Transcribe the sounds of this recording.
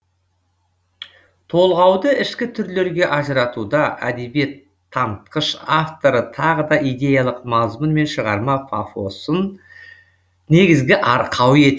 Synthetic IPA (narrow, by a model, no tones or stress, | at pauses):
t̪ʰo̞lˠʁɑwd̪əɪʃkʲɪt̪ʰʏɾle̞ɾɡʲe̞ʔɑʒəɾɑt̪ud̪ɑʔæ̰d̪e̞bje̞t̪ʰː | ɑnt̪̚qəʃaft̪o̞ɾət̪ʰɑʁəd̪ɑʔijd̪ʲe̞jalˠəqmɑzmənme̞nʃəʁɑɾmɑfa̰fo̞sən | ne̞ɡʲɪzɡʲɪʔɑɾqʰɑwe̞t̪